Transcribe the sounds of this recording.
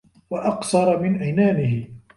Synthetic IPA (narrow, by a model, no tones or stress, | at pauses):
waʔɑqθɑɾˤɑmɪnʔajnaːnɪhɪ